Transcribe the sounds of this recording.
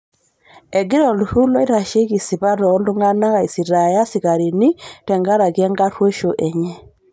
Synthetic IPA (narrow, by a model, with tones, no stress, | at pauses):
ɛ˨ɡɪ˦ɾɔ˨lu˨hu˦lo˦i˦ɾa˨ʃe˦ɡi˨si˨βa˦ɾɔ˨ɔ˦ndu˦ŋa˦na˦ɣa˨i˨si˨ɾa˨ja˦sɪ˨ka˨ɾi˨ni˦tɛ˨ŋɡa˦ɾa˨ɡɛ˦ŋɡa˦ɾwe˦ʃo˨ʔe˨ɲɛ˦